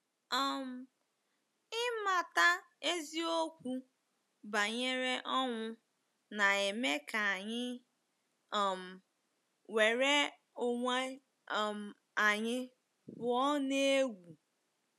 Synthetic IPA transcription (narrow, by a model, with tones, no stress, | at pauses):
ɔ˦˨m̩˨ | ɪ˦ma˨ta˦e˦zi˦o˦kʷu˦ | ba˨ɲe˦ɾe˦ʔɔ˦ŋʷʊ˦ | na˨e˨me˦ka˨a˨ɲɪ˦ | ɔ˨m̩˨ | we˨ɾe˦ | o˨ŋʷe˦˨ | m˨ | a˨ɲɪ˦ | bʊ˨ɔ˦ne˦e˦ɡʷu˨